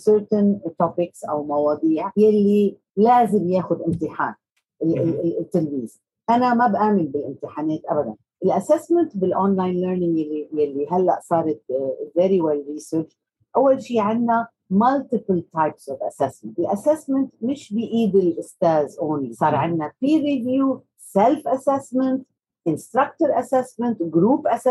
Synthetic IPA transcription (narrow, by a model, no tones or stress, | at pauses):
səɾt̪ɪnt̪opɪksʔa̰wmawɑːd̪ˤiːʕjalːi | laːzɪmjaːxʊd̪ʔɪmt̪ɪħa̰ːn | ɪt̪ːɪlmiːz̥ | ʔanamabʔaːmɪlbɪlʔɪmt̪ɪħaːnaːt̪ʔabad̪a̰n | ʔɪlʔasɛsmɪnt̪bɪlʔonlajnləːɾnɪ̃ŋɡjalːijalːiɦalːa̰ʔsˤɑːɾˤɑt̪vɛːɾiwɛlɾiːsəːɾt͡ʃ | ʔawːalʃiːʕɪnːa | malt̪ɪpəlt̪ʰajpsʔɔvʔa̰sɛsmɪnlʔasɛsmɪnt̪mɪʃbɪjʔiːd̪ɪlʔʊst̪aːzʔoːnlisˤɑːɾˤʕɪnːafiːɾivjuː | sɛlfʔasɛsmɪnt̪ | ʔɪnst̪ɾakt̪ʊɾʔasɛsmɪnt̪ɡɾuːpʔas